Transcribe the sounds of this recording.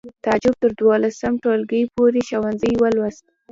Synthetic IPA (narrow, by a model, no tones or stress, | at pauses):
t̪ɑd͡ʒʊb̚t̪əɾd̪wɑlasamʈolɡəjpoɾeʃawanzəjwəlwast̪